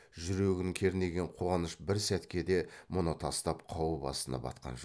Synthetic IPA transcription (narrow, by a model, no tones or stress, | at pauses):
ʒʏɾe̞ɡʲɪnɪŋkʲʰe̞ɾɪne̞ɡʲe̞ɴqʰo̞ʁɑnəʃbɪɾsæt̪kʲe̞d̪e̞mʊnət̪ʰɑst̪ɑp̚qʰɑwəbɑ̰sənɑ̰bɑ̰t̪qʰɑ̰nʒ